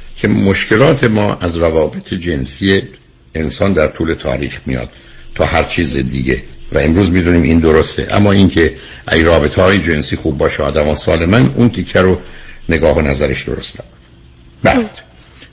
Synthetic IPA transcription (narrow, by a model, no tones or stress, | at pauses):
kʲʰe̞moʃkʰelɒːt̪ʰe̞mɒ̰ːʔæzɾævɒːbe̞t̪ʰed͡ʒensijeː | nsɒːnd̪æɾt̪ʰuːle̞t̪ʰɒ̰ːɾiːχmijɒ̰ːd̪̥ | t̪ʰɒːhæɾt͡ʃʰiːzed̪iːɟḛvæe̞mɾuːzmid̪uːniːmʔind̪oɾost̪ḛʔæ̰mːɒːiŋkʰe̞ | ʔæ̰jrɒːbe̞t̪ʰeɒːjed͡ʒe̞nsiːxuːb̚ːɒːʃæɒːd̪æmɒːsɒːle̞mænunt̪ʰicʰːæɾone̞ɡɒːhonæzæɾeʃd̪o̰ɾo̰st̪æ | bæ̰ːd̪̥